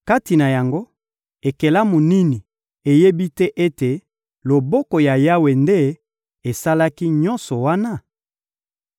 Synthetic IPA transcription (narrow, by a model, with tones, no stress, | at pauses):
ka˦ti˨na˨ja˨ŋɡo˦ | e˨ke˨la˦mo˨ni˦ni˨ | e˨je˦bi˦tɛ˦ʔe˦te˨ | lo˨bɔ˦kɔ˨ja˨ja˦we˨nde˦ | e˨sa˦la˦ki˦ɲɔ˦nsɔ˨wa˦na˦˨